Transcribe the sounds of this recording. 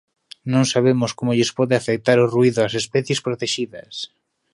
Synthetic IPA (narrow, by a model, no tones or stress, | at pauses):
nõŋsaβ̞emʊskomoʎɪspɔðɪafek̚t̪aɾʊruiðʊasespɛθjespɾot̪eʃiðɐs